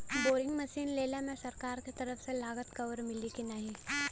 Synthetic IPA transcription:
boːɾɪ̃ŋɡmɐʃiːnleːlemẽsɐɾkaːɾket̪ɐɾəfʰselaːɡət̪kɐʋəɾmɪlikinaɦĩ

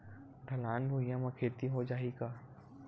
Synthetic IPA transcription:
ɖʱɐlaːnbʱuijãmãkʰeːt̪iɦod͡ʒaːiɡaː

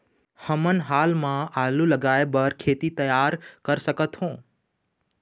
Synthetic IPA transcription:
həmənɦaːlmãaːlulɐɡaːebəɾkʰeːt̪it̪ɐjaːɾkəɾsɐkət̪hõː

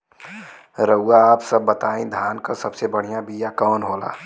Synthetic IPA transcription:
ɾəaːpsəbːət̪aːẽd̪ʱaːnkasəbsebəɽ̤ijãbijakɔːnɦola̰ː

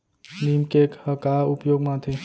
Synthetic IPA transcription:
nimkekhəkaupjoɡmãt̪ʰe

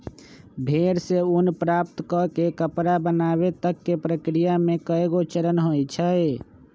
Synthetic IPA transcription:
bʱeɾseunpɾap̚t̪kɔkekəpɾabənaβet̪əkːepɾəkɾijamekəeɡot͡ʃəɾənɦojt͡ʃʰəj

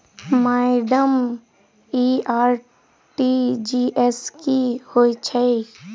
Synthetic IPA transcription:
maːɪɖəm | iaːɾ | ʈid͡ʒiːʔɛskihoːit͡ʃʰɛ

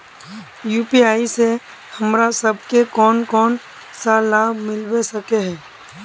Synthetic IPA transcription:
juːpiaːise | hɐmɾasɐb̚ʱkekɔːnkɔːn | saːlaːmɪlwesɐkeɦɛ̃ː

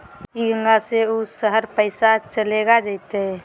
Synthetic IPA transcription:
iɡʱə̃ŋɡaseusəɦəɾpəɪsat͡ʃəleɡad͡ʒaɪt̪eɦɛ

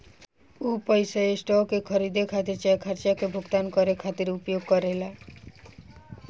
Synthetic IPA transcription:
upəjsaesʈɔkekʰʌɾid̪ekʰat̪iɾt͡ʃɛkʰaɾt͡ʃakebʱuɡt̪ankɔɾekʰat̪iɾupjoɡ̚kɔɾela

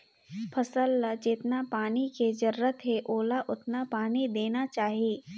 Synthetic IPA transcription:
pʰɐsəlːad͡ʒɪt̪napaːniked͡ʒɐɾːət̪ɦeʔoːlaʔʊt̪napaːnid̪eːnat͡ʃaːɦieː

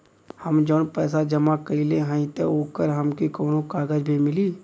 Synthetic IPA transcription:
hɐmd͡ʒoːnpɛːs̬ad͡ʒɐmakəileɦə̃ĩt̪eoːkəɾɦɐmkikoːnõkaːɡəd͡ʒbʱimɪliː

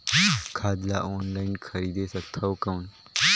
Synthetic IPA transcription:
kʰaːd̪la̰ʔoːnlainkʰɐɾiːd̪esɐt̪ʰɐwkɐwn

